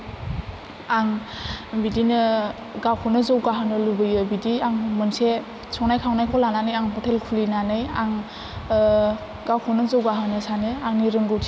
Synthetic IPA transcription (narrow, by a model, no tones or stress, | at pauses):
aŋ | bidinɯ | ɡawkʰɔnɯzowɡaɦɯnɯlubɯjɯbidiaŋmɯnse | sɔŋnajkʰawnajkʰɔwlananɯjaŋpʰɔtʰelkʰulinanɯjaŋ | ɡawkʰɔnɯzowɡaɦɯnɯsanɯaŋniɾɯŋɡɯwtʰi̥